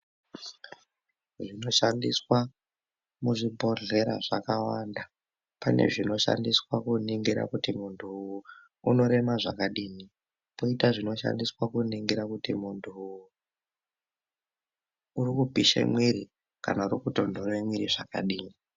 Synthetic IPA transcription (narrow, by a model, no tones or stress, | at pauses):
ʐino̞ʃandiswa | muʐibʱo̞ɮe̞ɾa̰ʐakawanda | pane̞̰ʐino̞ʃa̰ndiswakuniŋɡiɾa̰kutimuntʰuuː | no̞ɾe̞maʐa̰kaɗiːni | poitaʐino̞ʃa̰ndiswakuniŋɡiɾakutimuntʰuu | urikupiʃḛmwiɾi | kanaurikuto̞ndoremwiɾiʐaka̰ɗiːni